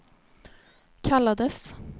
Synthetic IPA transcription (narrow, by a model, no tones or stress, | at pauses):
kʰalːad̪əs